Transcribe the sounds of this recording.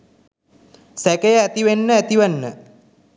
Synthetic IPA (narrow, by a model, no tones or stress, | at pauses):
sækejəæt̪iʋenːəæt̪iʋənːə